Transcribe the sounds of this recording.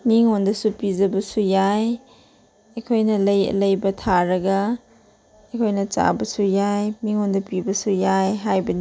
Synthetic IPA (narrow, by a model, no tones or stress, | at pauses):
miŋondɐsupizɐbɐsujaj | ekʰojnɐlɐjɐ̰lɐjbɐtʰaɾɐɡɐ | ekʰojnɐt͡ʃa̰bɐsujajmiŋondɐpibɐsujajɦajbɐni